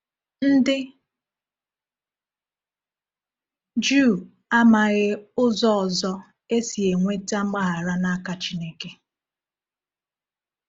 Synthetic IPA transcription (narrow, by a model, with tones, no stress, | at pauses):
n̩˦dɪ˦ | d͡ʒu˦˨ | a˦ma˨ɣɪ˦ʊ˦zɔ˦ɔ˨zɔ˦ | e˦si˨e˨ŋʷe˦ta˦ŋ͡m̩˦ɡ͡ba˦ɦa˨ɾa˦na˦ka˨t͡ʃi˦ne˦ke˨